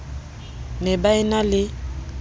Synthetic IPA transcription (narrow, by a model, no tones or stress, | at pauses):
nɛbaɪnalɪ